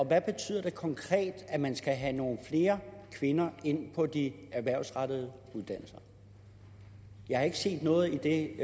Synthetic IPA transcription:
ɒ̽ʋæb̥e̝t͡sʰy̰ːð̰ˠɐd̥e̝kʰɒ̽ŋkʰʁɛ̰ːd̥æmænsɡ̥æɦæno̝ːn̩fle̝ːɐkʰʋe̝nɐe̝n̰pʰɒ̽d̥iæɐʋæɐ̰ʊsʁɑd̥əð̩ˠ | uðˠd̥æn̰l̩sɐ | jɑ̈hɑ̈e̝ɡ̥əse̝̰ːd̥nɔ̽ːð̩ˠid̥e̝

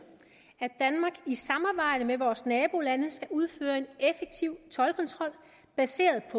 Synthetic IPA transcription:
æd̥ænmɑ̈ːɡ̥isɑ̈mɑ̈ːb̥ɑ̈ɪ̰d̥əmeʋɒːsnɛːb̥o̝lænəsɡ̥æʔuð̞ˠføːɐe̝nefeɡ̥̚t͡sʰiʊ̰t͡sʰɒ̽lkʰɒ̽nt͡sʰʁɒ̽l̰ | b̥æse̝̰ːɐðˠpʰɒ̽

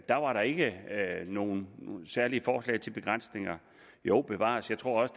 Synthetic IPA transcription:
d̥ɑ̈ʋɑ̈ɾɑ̈e̝ɡ̥əno̝ːn̩sæɐliəfɒːslɛ̰ɪt͡sʰe̝lb̥e̝ɡ̥ʁɑn̰sne̝ŋɐ | joʊ̰b̥e̝ʋɑ̰̈ːsjɑ̈ɪt͡sʰʁo̝ɐ̰ɒ̽sə̥

